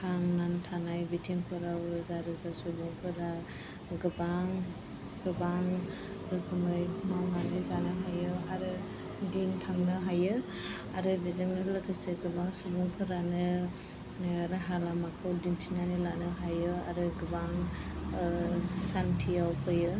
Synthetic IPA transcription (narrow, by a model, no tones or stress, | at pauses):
kʰaŋnantʰanajbitʰiŋpʰɯɾawɯzaɾɯzasubuŋpʰɯɾa | ɡɯbaŋ | ɡɯbaŋ | ɾɯkʰɯmɯjmawɦanɯzanɯɦajɯaɾɯ | dintʰaŋnɯɦajɯ | aɾɯbizɯŋnɯlɯkʰɯseɡɯbaŋsubuŋpʰɯɾanɯ | ɾaɦalamakʰɯwdintʰinanilanɯɦajɯa̰ɾɯɡɯbaŋ | santʰijawpʰɯjɯ